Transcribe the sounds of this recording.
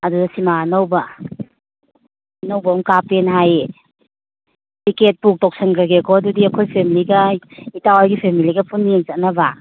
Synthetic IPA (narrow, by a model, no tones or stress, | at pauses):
ɐdudɐsimanɐwba | nɐwbɐɔmkapenɦaje | tiket̚puk̚tɔk̚sɐŋɡaɡekʰɔɐdudiɐkʰojpʰemiliɡɐitawaɾɡipʰemiliɡɐpʰunːieŋsat̚nɐba